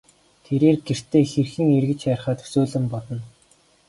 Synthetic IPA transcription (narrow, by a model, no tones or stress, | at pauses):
t̪ʰeɾeːrɡer̥t̪ʰeːxĕrxɘ̆ŋerɣɘ̆t͡ɕæːrχaːt̪ɵ̥suːɮɘ̆mpɔɮɞ̆n